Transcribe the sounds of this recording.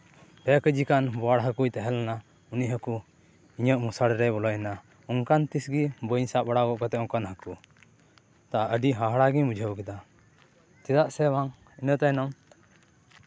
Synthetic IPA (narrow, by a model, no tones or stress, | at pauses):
bɛkəd͡ʒikanbɔaɽɦəkujt̪ɛɦɛlana | uniʔɦəku | iɲəʔmusaɽɾɛbɔlɔjna | uŋkant̪isɡibəɲsaʔbaɽakɔʔkɔt̪ɛʔɔ̃wkanɦəku | t̪aʔaʔəɖiɦaɦɽaɡimud͡ʒʱəwkɛd̪a | t̪id̪aʔsɛwaŋ | inət̪ajnɔm